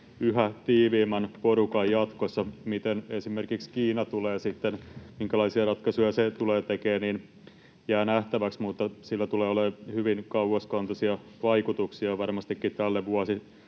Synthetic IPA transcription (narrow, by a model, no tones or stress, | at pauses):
yɦæt̪iːʋiːmɑnporukɑjjɑt̪kosːɑmit̪enesimerkikskiːnɑt̪uleːsit̪ːenmiŋkælɑisiɑrɑt̪kɑsujɑset̪uleːt̪ekeːniːn | jæːnæht̪æʋæksmut̪ːɑsilːæt̪uleːolehyʋinkɑuɑskɑnt̪ɑsiɑʋɑikut̪uksiɑʋɑrmɑst̪ikːit̪ælːeʋuɑsi